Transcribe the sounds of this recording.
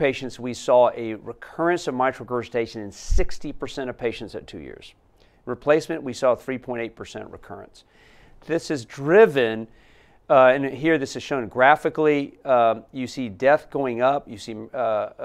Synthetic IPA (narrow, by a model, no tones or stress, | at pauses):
peɪʃɨ̃ntswisɔɨɹɨkʰɜ˞ɨ̃nsʌvmaɪkɹoɡə˞sɨtʰeɪʃɨ̃nɨ̃nsɪkstipə˞sɛ̃ɾ̃ʌv̥pʰeɪʃɨ̃n̩tsɨ̰tʰʉ̰jɪ̰ɹz̥ | ɹɨpʰl̥eɪsmɨ̃nʔwisɔθɹipʰɔ̃ɪ̃ɾ̃teɪpʰə˞sɛ̰̃nʔɹɨ̰kʰɜ̰˞ɨ̰̃ns | ðɪsɨzdɹɪvɨ̃n | ɨ̃nɦiɹðɪsɨz̥ʃõʊ̃nɡɹæfɨkli | jɨsidɛθɡ̥oʊɪ̃ŋʌp̚jɨsi